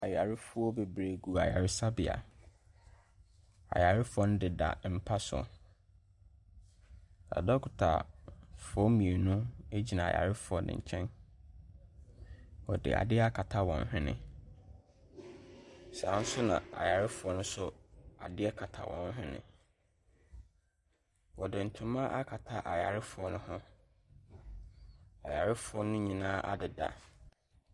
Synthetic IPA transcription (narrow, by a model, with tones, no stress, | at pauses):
a˨ja˨ɾɪ˦fʊ˦ɔ˦be˨bɾe˨ɡu˨a˨ja˨ɾɪ˦sa˦bɪ˨a̰˨ | a̰˨ja˨ɾɪ˦fʊ˦ɔ˦nʊ̃˦dɪ˨da̰˨m̩˦pʰa˦sʊ˨ɔ̰˨ | a̰˨dɔ˦kʰʊ˨tʰa̰˨fɔ˦mĩ˨e˨nũ˦e˦d͡ʑi˨nã˨a̰˨ja̰˨ɾɪ˦fʊ˦ɔ˦nɪ̰̃˨ɲ̩˨t͡ɕʰɛ̃˦n | wɔ˨dɪ̰˨ʔa̰˨dɪ˦ɛ˦a˦kʰa˨tʰa˦wɔ̰̃˨n˦ɦɪ̃˦nɪ̰̃˨ | sa˨˦n̩˦sʊ˦nã̰˨a̰˨ja˨ɾɪ˦fʊ˨ɔ˦nʊ̃˦sʊ˦a̰˨dɪ˦ɛ˦kʰa˨tʰa˨wɔ̰̃˨n˦ɦᶣɪ̃˦nɪ̰̃˨ | wɔ˨dɪ˨n̩˨tʰʊ̃˨˦mã˦ʔa˦kʰa˨tʰa˦ʔa˨ja˨ɾɪ˦fʊ˨ɔ˦nʊ̃˦hʊ̃˦ | a̰˨ja˨ɾɪ˦fʊ˨ɔ˦nʊ̃˦ɲĩ˨nãː˦ʔa̰˦dɪ˨da̰˨